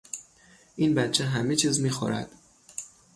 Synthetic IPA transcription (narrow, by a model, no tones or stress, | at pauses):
ʔiːnbæt̪t͡ʃʰɛɦæmet͡ʃʰiːzmiːxo̰ɾæ̰d̪̥